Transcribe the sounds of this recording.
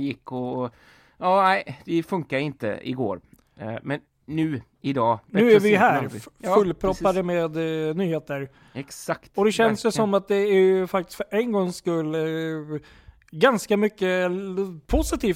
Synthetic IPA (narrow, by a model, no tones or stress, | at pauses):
jɪkːɔ | jɑːnæɪd̪̥ɛfɵŋkad̪ɪnt̪ə̰ɪ̰ɡo̰ːɾ | mɛnː | ʉ̟ː | ɪd̪ɑːnʉ̟ːæɾvɪɦæːfɵlːpʰɾɔpːad̪əmeːd̪nyːheːt̪əɾ | ɛksakt̪ɔd̪ɛɕɛnsjəsɔmːat̪̚d̪ɛæɾjɵfakt̪ɪ̥st̪fœɾɛnɡɔŋskɵlː | ɡanskamʏkːə | pʰʊsɪt̪ʰiːf